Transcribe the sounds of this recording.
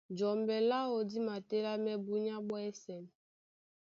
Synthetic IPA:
d͡ʒɔ˨mbɛ˨la˦o˨di˦ma˨te˦la˦mɛ˦bu˦ɲa˦ɓɔ˦ɛ˦sɛ˨n˨

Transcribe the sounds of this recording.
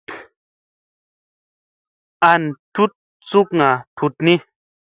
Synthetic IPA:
a˧n˨tu˦t̚ | t͡su˦kŋã˨tʰu˧˨tnĩ˦

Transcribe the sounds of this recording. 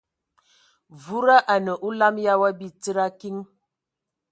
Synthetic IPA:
vu˦ɾa˦ʔa˨nə˨ʔu˦la˦mja˦wa˦bi˦t͡si˦ɾa˦ki˦ŋ

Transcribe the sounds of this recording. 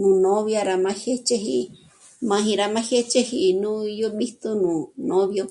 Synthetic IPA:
nũ˧nõ˦βja˧ɾa˧mã˧he˦t͡ʃe˧ɦi˧ | mã˧ɦĩ˧ɾa˧mã˧he˦t͡ʃe˦hi˧nũ˦i˧jo˦ɓi˦t̪u˧nũ˨nõ˧βjo˧

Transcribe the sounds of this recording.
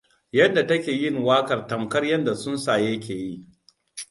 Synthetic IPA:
jɐ˦nda˨tɐ˦kʲeː˨jɪ˦ŋwaː˦kɐ˨rtɐ˨mkɐ˦rjɐ˦nda˨sʊ˦nsaː˨jɐ˦k̬ʲeː˨ji˦ʔ

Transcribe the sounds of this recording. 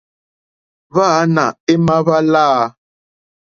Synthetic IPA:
βa˦˨˦na˨e˦ma˦βa˦laː˦˨˦

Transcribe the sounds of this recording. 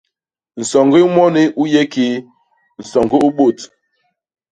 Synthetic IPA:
n̩˨sɔ˨ŋɡi˦mɔ˦ni˦ʔu˦jɛ˦ki˨˦ | n̩˨sɔ˨ŋɡi˦u˦ɓo˦˨t

